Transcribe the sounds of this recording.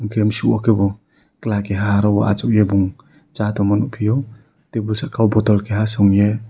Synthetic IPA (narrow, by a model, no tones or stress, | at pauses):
ŋkʰemsuʔɔkʰebɔ | klakeɦaɾɔwaʔat͡ʃɔkjebuŋ | t͡ʃatɔmɔnupʰijɔ | tebulsakʰawbɔtɔlkʰeɦasɔŋje